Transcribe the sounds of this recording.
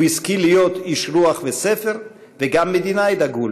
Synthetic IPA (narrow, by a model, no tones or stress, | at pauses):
iskilijot̪iʃɾuaχvesefeɾ | veɡamːed̪inajd̪aɡul